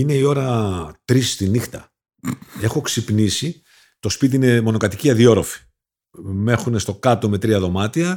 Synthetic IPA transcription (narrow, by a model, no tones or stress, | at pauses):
ine̞io̞ɾɐt̪ɾist̪inixt̪ɐ | e̞xo̞ksipnisi | t̪o̞spit̪̬iine̞mo̞no̞kɐt̪iciɐðio̞ɾo̞fi̥ | me̞xunest̪okɐt̪o̞me̞t̪ɾiɐðo̞mɐt̪iɐ